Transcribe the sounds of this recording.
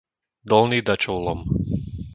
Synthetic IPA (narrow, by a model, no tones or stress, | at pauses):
d̪ɔlnid̪at͡ʃɔʊlɔm